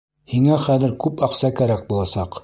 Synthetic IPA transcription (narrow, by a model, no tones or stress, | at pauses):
hiŋæχæðɘ̆ɾkʉpɑqsɑkæɾæk̚bulˠɑsɑq